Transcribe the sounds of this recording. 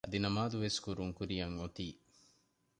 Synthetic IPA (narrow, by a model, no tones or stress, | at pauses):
ʔɐd̪inɐmaːd̪uʋeskuɾuŋkuɾijɐŋot̪iː